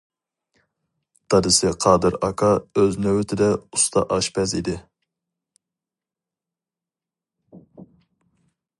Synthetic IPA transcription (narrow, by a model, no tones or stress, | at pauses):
t̪ʰɑd̪ɨsɪqʰɑːd̪ɨɾɑkʰɑøznøwɪt̪ʰɪd̪ɛust̪ʰɑ̰ʔɑʃpɛzid̪ɪ